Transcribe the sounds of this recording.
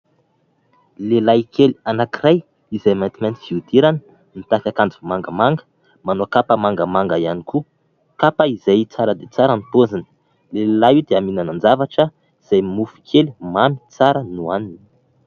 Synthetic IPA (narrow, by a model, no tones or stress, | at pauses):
lelajkʰelianakiɾaj | izamant̪imɛnt̪iv̥iud̪iɾanə̥ | nit̪akʲakand͡zumaŋɡəmaŋɡə̥ | manoakapəmaŋɡəmaŋɡaianiku | kapəizajt͡saɾəd̪et͡saɾənt̪ozanə̥ | lelaud̪eaminanand͡ʒavaʈ͡ʂə | iz̥ajmufu̥kʰelimami̥t͡saɾənuanini